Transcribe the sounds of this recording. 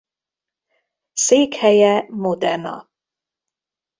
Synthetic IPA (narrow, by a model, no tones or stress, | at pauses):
seːkhɛjɛmod̪ɛrnɒ̰